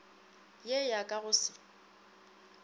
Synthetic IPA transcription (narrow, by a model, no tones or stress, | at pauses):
jejakʼaɣʊsɪ̥